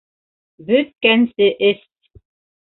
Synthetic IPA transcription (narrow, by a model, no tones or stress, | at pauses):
byt̪̚kænsɘʔɘst̪̚